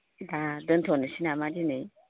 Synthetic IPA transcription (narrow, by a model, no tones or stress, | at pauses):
d̪ad̪ənt̪ʰonəsinamad͡ʒine